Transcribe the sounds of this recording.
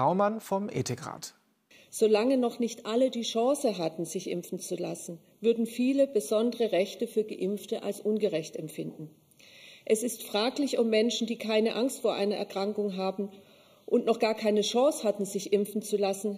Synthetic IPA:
aʊmanfɔmʔḛːtɪkʁa̰ːt | z̥oːlaŋənɔχnɪçtʔalədiːʃɑ̃ːsəɦatn̩zɪçʔɪ̰mfn̩t͡sulasn̩ | vʏɐdn̩fiːləbəzɔndəʁəʁɛçtəfyːɐɡəʔɪmftəʔa̰lsʔʊnɡəʁɛçtɛmfɪndn̩ | ʔɛsɪstfʁ̥aːklɪçɔpmɛnʃn̩diːkʰaɪnəʔaŋstfoːɐʔa̰ɪnɐʔɛɐkʁ̥aŋkʊŋɦaːbm̩ | ʔʊntnɔχɡ̥aːɐkʰaɪnəʃɑ̃ːshatn̩zɪçʔɪmfn̩t͡sulasn̩

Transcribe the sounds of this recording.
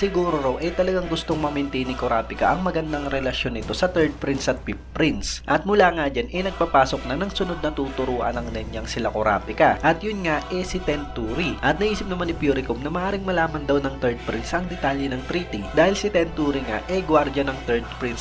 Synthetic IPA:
sɪɡuːɾoɾowʔɛt̪ɐlɐɡaŋɡʊst̪o̞ŋmɐmɪnt̪inɪkoɾaːpɪkɐ̰ʔɐŋmɐɡɐnd̪aŋɾɛlɐʃjo̞nɪt̪o̞sɐt̪ɛɹd̪̚pɾinsɐt̪̚pip̚pːɾint̪sʔɐt̪̚mʊlaːŋad͡ʒanʔɛnɐɡ̚papaːso̞k̚nɐnɐŋsʊnod̪̚nɐt̪ut̪ʊɾuːʔɐ̰nɐŋd̪ɐnjaŋsɪlakoɾa̰ːpɪkɐʔɐt̪jʊnŋaʔɛsɪt̪ɛnt̪uːɾiʔɐt̪nɐʔiːsɪp̚nɐmanɪpjuːɾɪkumnɐmɐʔaːɾɪŋmɐlaːmɐnd̪ɐwnɐŋt̪ɛɹd̪̚pɾinsʔɐŋd̪ɛt̪aːljɛnɐŋt̪ɾiːt̪id̪aːhɪlsɪt̪ɛnt̪uːɾiŋa̰ʔɛɡwaɾd͡ʒɐnɐŋt̪ɛɹd̪̚pɾins

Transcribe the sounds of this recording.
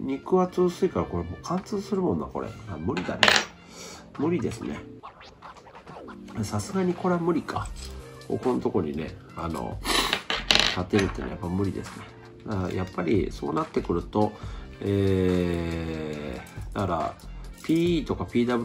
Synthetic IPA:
ɲ̟ʲikɯ̟βat͡sɨːsɨikaɾako̞ɾemokʰãnt͡sɨːsɨɾɯ̟mõ̞nːako̞̰ɾḛamɯ̟ɾʲid̪a̰ne | mɯ̟ɾʲid̪e̞sɨne̞̰ | asasɨɡaɲ̟iko̞ɾeamɯ̟ɾʲikʰa | o̰ko̞not̪o̞ko̞ɲ̟ine̞̰ano̞̰ | t̪at̪ːe̞ɾɯ̟t̪ːenojapːaimɯ̟ɾʲid̪e̞sɨ̥ne̞ | d̪ajʔapːaɾʲḭso̞̰ːnat̪ːe̞kɯ̟ɾɯ̟t̪o̞eː | d̪̥akaɾa̰pʲiːt̪o̞kapʲiːd̪abɯ

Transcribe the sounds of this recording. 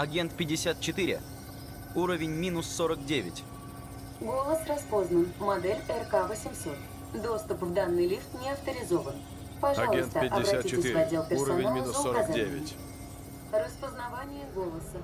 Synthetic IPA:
ɐɡʲe̞nt̪̚pʲɪdʲːɪsʲat̪̚t͡ɕɪt̪ɨɾʲɪ̰ | uɾəvʲɪnʲmʲinʊsːoɾəkdʲevʲɪ̰tʲ | ɡo̞lˠəsrɐspo̞znənmɐd̪ɛlʲɛrkavəsʲɪmsʲo̞t̪ | d̪o̞st̪ʊpvd̪anːɨjlʲift̪nʲɪɐft̪əɾʲɪzo̞vən | pɐʐalˠəstt̪əʔɐbɾɐtʲitɪsvɐdʲːelˠpʲɪrssɐnalzoɐzaeɪ | rəspəznɐvanʲɪjəɡo̞lˠəsə

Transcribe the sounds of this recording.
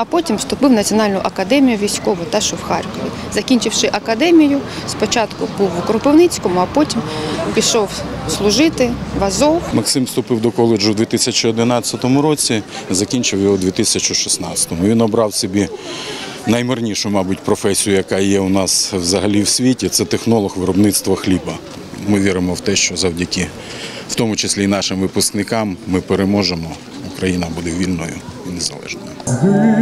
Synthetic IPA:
ɐpɔtʲimwst̪ʊpɪwnɐt͡sʲɔnɑlʲnʊʔɐkɐd̪ɛmʲijʊʋʲijsʲkɔʋɔt̪ɑʃɔwxɑrkɔʋʲi | zɐkʲinʲt͡ʃɪwʃɪʔɐkɐd̪ɛmʲijʊspɔt͡ʃɑt̪kʊbuwʊkɔɾʊpɔwnɪt͡sʲkɔmʊɐpɔtʲimpʲiʃɔwslˠʊʒɪt̪ɪʋɐzɔwmɐksɪmst̪ʊpɪwd̪ɔkɔlˠɪd͡ʒʊd̪ʋʲit̪ɪsʲɐt͡ʃiɔd̪ɪnɑt͡sʲːɐt̪ɔmʊɾɔt͡sʲizɐkʲinʲt͡ʃɪwjɔɦɔd̪ʲʋʲit̪ɪsʲɐt͡ʃʊʃɪ̥snɑt͡ssʲɐ̥t̪ɔmʊʋinɔbɾɑwsɔbʲi | nɐjmɪrnʲiʃʊmɑbʊtʲpɾɔfɛsʲijʊjɐkɑjɛʊnɑswzɐɦɐlʲiwsʲʋʲitʲit̪sɛt̪exnɔlˠɔxʋɪɾɔbnɪt̪st̪ʋɐxlʲibɐ | mɪʋʲiɾɪmɔwt̪ɛʃt͡ʃɔzɐwdʲɐkɪ | wt̪ɔmʊt͡ʃesʲlʲinɑʃɪmʋɪpʊsknɪkɑmːɪpeɾemɔʒemɔ | ʊkɾɐjinɐbud̪ɛʋʲilʲnɔjʊinezɐlˠɛ̰ʒnɔjʊ

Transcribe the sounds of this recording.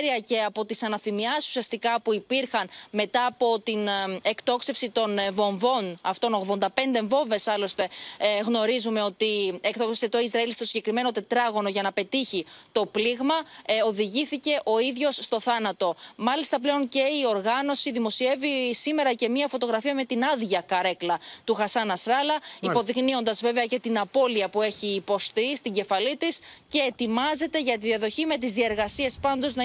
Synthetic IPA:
ɾiɐce̞ɐpo̞t̪isɐnɐfimiɐsu̥siɐst̪ikɐpuipiɾxɐnme̞t̪ɐːpo̞t̪inekt̪o̞kse̞fsit̪o̞nvo̞ɱvo̞nɐft̪o̞no̞ɣðo̞nd̪ɐpe̞nd̪eɱvo̞ɱve̞sɐlo̞st̪e̞ɣno̞ɾizume̞o̞t̪iekt̪o̞ksesit̪o̞izɾɐilst̪o̞siɲɟe̞kɾime̞no̞t̪e̞t̪ɾɐɣo̞no̞ʝɐnɐpe̞t̪içit̪o̞pliɣmɐo̞ðiʝiθice̞ʔo̞iðʝo̞sːt̪o̞θɐnɐt̪o̞mɐlist̪ɐple̞o̞nce̞io̞ɾɣɐno̞siðimo̞sie̞visime̞ɾɐce̞miɐfo̞t̪o̞ɣɾɐfiɐme̞t̪inɐðʝɐkɐɾe̞klɐt̪uxɐsɐnɐsɾɐlɐipo̞ðiknio̞nd̪ɐzve̞ve̞ɐce̞t̪inɐpo̞liɐpue̞çiːpo̞st̪ist̪iɟe̞fɐlit̪isce̞ːt̪imɐze̞t̪e̞ʝɐt̪̬iðiɐðo̞çime̞t̪izðie̞ɾɣɐsie̞spɐnd̪o̞znɐ

